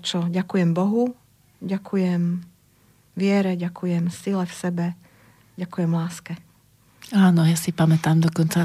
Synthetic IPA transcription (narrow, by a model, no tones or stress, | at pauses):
t͡ʃɔɟakujɛmbɔɦu | ɟakʰujɛm | ʋɪɛɾɛɟakujɛmsilɛfsɛbɛ | ɟakujɛmlaːskɛ | aːnɔjasipamɛt̪aːmd̪ɔkɔnt͡sa